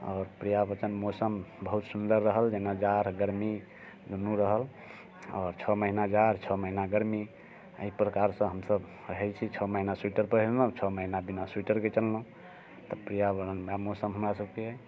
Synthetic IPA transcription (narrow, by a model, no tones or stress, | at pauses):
ɔːɾpɾijabət͡ʃənmosəmbəɦut̪sund̪əɾːəɦəld͡ʒenad͡ʒaɾɡəɾmi | d̪ʱunːuɾəɦəl | ɔːɾt͡ʃʰɔməɦinad͡ʒaɾt͡ʃʰɔməɦinaɡəɾmi | ə̰ipɾəkaɾsə̃ɦəmsəb | ɾəɦɛt͡ʃʰit͡ʃʰɔməɦinaswiʈəɾpəɦlə̃t͡ʃʰɔməɦinabinaswiʈəɾket͡ʃəlːəɦũ | t̪ɔpɾijabəənamosəmɦəmɾasəb̚keɦɛ